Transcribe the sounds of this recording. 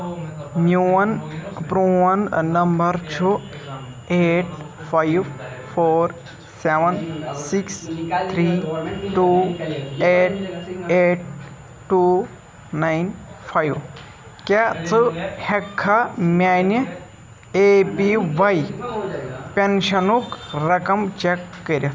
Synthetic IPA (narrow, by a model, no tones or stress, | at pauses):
njuənpɾuɐnnɐmbəɾt͡ʃʰu | eʈ̚ | fajʋfʰoɾ | seʋənsikst̪ʰɾiʈu | eʈ̚eʈ̚ | ʈːu | najnfʰajʋ | kat͡sɨhekʰːamʲanə | epiʋaj | penɕɐnukɾɐkɐmt͡ɕekːəɾjɐ